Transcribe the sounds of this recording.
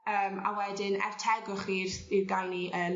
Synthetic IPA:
əːma̰wɛdɪnɛ̰r̥tʰɛɡɔχirirɡalˠniʔəl

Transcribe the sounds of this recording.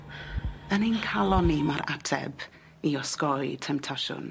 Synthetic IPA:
ənenkʰalˠɔnimaɾatʰɛ̰b | iɔskɔjtʰɛmtʰaʃʊ̰n

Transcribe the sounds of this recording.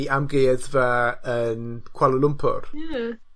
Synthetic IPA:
amɡeːðvaənkʰwalˠəlˠʊmpʰʊ̰r

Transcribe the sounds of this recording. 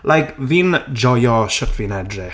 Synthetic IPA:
lʔajkvind͡ʒɔjɔʃətʰvinɛdrɛ

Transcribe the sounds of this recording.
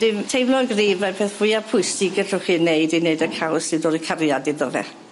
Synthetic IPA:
d̥ɪmtʰejmlɔɡriːvapʰeːθv̥ʊjapʰʊɨsd̥iɡə̥r̥ʊχineɨdineɨdəkʰawsɪdɔɾikʰarjadɪðɔvɛ̰

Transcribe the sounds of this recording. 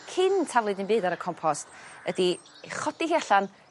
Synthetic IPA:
kʰɪntʰavlˠɨdɨnbɨːdaɾəkʰɔmpʰɔstədi | χɔd̥iɦiaɬan

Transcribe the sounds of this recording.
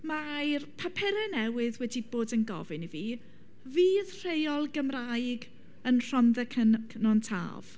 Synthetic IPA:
majrpʰapʰɛɾɛnɛwɪðwɛdiboːdənɡɔ̰vɨniviː | viːðr̥ejɔlˠɡəmraɨɡ | ənr̥ɔnðɛkʰənkʰnɔntʰa̰ːv̥

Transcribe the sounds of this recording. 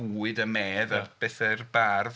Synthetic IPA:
uːɨdəmeːðəb̥ɛθərbarv

